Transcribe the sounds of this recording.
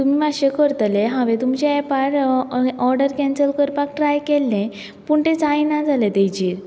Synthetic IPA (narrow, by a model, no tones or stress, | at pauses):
t̪umiːaɕekəɾt̪leɦãʋẽt̪umt͡ɕeɛpaɾɔɾɖəɾkɛ̃nsəlkəɾpak̚ʈɾajkɛlːẽ | puɳʈ̪ẽt͡sajnad͡zʱalet̪ejd͡ʑiːɾ